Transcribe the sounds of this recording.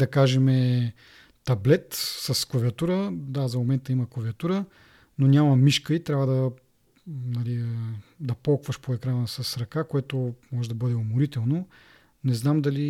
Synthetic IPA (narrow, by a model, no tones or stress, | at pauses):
d̪ɐkaʒɛmɛ | t̪ɐblɛt̪sɐskoviɐt̪uɾəd̪azɐmomɛnt̪əiməkɐviɐt̪uɾə | nonʲamɐmiʃkəit̪ɾʲavəd̪ɐ | nɐlid̪ɐpɔlˠkvəʃpoɛkɾanəsɐsɾɐkakoɛt̪omɔʒɛd̪ɐbɤd̪ɛʊmʊɾit̪ɛlˠno | nɛznamd̪ɐli